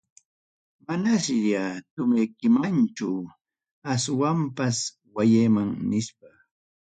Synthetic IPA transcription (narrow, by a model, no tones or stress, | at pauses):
manasjat̪ʊmejkɪmant͡ʃʊ | aswampas | wajejmaŋnɪʃpa